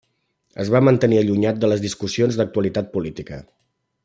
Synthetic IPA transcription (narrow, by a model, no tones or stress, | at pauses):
ə̰zβamənt̪əniəʎuɲat̪̚d̪ələzðiskusionzðək̚t̪uəlit̪at̪̚pulit̪ikə̰